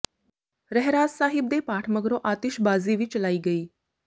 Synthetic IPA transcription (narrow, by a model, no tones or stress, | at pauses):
ɾɛɦɾaːd͡zsaːɦib̚d̪epaːʈʰməɡɾoʔat̪iʃbaːziʋiːt͡ɕəlaːiːɡəiː